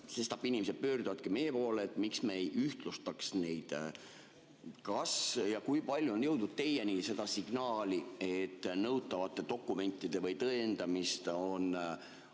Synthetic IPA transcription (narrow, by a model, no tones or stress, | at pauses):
se̞st̪ɑpːinʲimesed̪̚pøːrd̪̥uvɑd̪̥̚kime̞jepo̞ːleːt̪ːˑmiksmejyht̪lust̪ɑksne̞jd̪̥ | kɑsjɑkujpɑlʲjuonjɤwd̪̥nud̪̥̚t̪e̞jeniːse̞d̪ɑsiɡ̥nɑːliet̪ːnɤwt̪ːˑɑvɑt̪ːˑe̞t̪o̞kˑːume̞nʲt̪ːˑid̪e̞vɤjt̪ɤend̪̥ɑmist̪o̞n